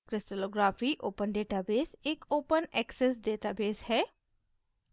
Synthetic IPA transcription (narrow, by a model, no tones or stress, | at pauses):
kɾɪsʈəloːɡɾaːfiʔoːpənɖeːʈaːbeːsekoːpənɛːkses̬ɖeːʈaːbeːzhɛː